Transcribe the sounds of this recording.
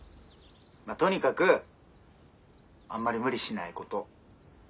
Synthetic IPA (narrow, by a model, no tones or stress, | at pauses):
mat̪o̞ɲ̟ikakɯ̟ | ã̰mːaɾʲimɯ̟ɾʲiɕinaiko̞t̪o̞